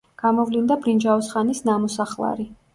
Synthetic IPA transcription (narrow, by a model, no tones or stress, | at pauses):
ɡ̥amɔvlind̪abɾind͡ʒaɔsχanisnamɔsaχlˠa̰ɾi